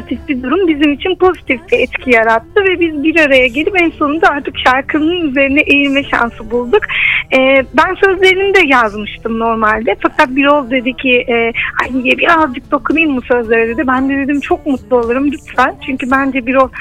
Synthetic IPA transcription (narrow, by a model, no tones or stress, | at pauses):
t̪ʰifbid̪uɾumbizimit͡ʃʰinpʰo̞zit̪ʰift̪ʰɛɛt̪cʰijaɾat̪ʰːɯvɛbizbiɾaɾajaɟelʲipɛnso̞nund̪aaɾt̪ʰɯkʃaɾkʰɯnɯnɯnyze̞ɾinɛʔejilmɛʃa̰nsɯbulˠd̪ukɛːbænsø̞zlʲe̞ɾinimd̪ɛjazmɯʃt̪ʰɯmno̞ɾmalʲd̪ɛfakɾat̪̚biɾo̞lˠd̪e̞d̪icʰiʔɛːhaj̪ijɛbiɾazd͡ʒɯk̚d̪o̞kʰunɯjɯmmusø̞zlʲeɾɛd̪ed̪ɛbænd̪ed̪ed̪imt͡ʃʰo̞k̚mut̪lˠuo̞lˠɯɾɯmjyt̪sælʲt͡ʃʰyɲcybænd͡ʒɛbiɾo̞lˠ